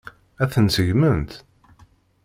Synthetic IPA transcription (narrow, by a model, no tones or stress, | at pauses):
æθənsəʝmənt̪